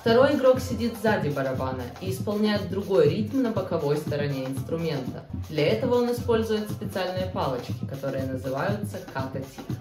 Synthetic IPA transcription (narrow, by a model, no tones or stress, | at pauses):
ft̪ɐɾo̞jɪɡɾo̞ksʲɪdʲit̪vzadʲɪbəɾɐbanə̰iːspɐlˠnʲæjɪd̪̚ɾʊɡo̞jɾʲit̪mnəbəkɐvo̞jst̪əɾɐnʲe̞ɪnst̪ɾʊmʲe̞nt̪ə̰d̪lʲɐɛt̪əvəo̞nɪspo̞lʲzʊjɪt̪spʲɪt̪sɨalʲnɨjəpalˠət͡ɕkʲɪ̥kɐt̪o̞ɾɨjənəzɨvajʊt̪səkat̪ɐtʲi